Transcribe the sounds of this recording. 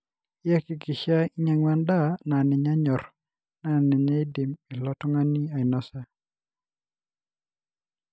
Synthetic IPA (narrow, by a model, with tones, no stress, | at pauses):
ja˦kɪ˨kɪ˨ʃa˦i˦ɲa˨ŋwa˦nda˦˨na˨nɛ˨ɲa˦ɲɔ˨ɾ | na˨nɛ˨ɲa˦i˦di˨mi˨lɔ˦tɔ˦ŋa˦ni˦a˨i˨nɔ˦sa˦